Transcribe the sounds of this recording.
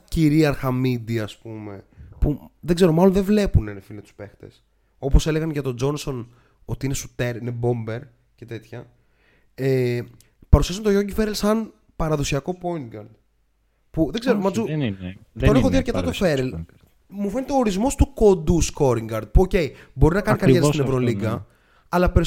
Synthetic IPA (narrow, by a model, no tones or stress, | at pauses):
ciɾiɐɾxɐmid̪iɐspume̞puðeɡze̞ɾo̞mɐlo̞nðevle̞punenefilomet̪u̥spe̞xt̪e̞̰s | o̞po̞se̞leɣɐnʝɐt̪o̞d͡ʒo̞nso̞n | o̞t̪iine̞sut̪e̞ɾinebo̞mbe̞ɾ | ce̞t̪e̞t̪çɐ | e | pɐɾusiɐsunt̪oʝoɟifeɾelsɐn | pɐɾɐðo̞siɐko̞po̞inɡɐɾd̪ | puðe̞ɡzeɾomɐzu | t̪onexoððiɐɾcet̪ɐt̪ofeɾel | mufe̞net̪eo̞ːɾizmo̞st̪uko̞nd̪usko̞ɾiŋɡɐɾd̪̚puoce̞j | bo̞ɾinɐkɐnikɐɾeɾst̪inevɾo̞liɡɐ | ɐlɐpeɾ